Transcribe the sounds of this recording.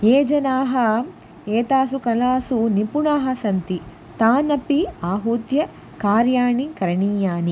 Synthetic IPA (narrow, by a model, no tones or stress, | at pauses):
eːd͡ʒɐnaːɦɐ | eːt̪aːsukɐlaːsunipuɳaːɦɐsɐnt̪i | t̪aːnɐpiaːɦuːt̪jɐ | kaːɾjaːɳikɐɾɐɳiːjaːni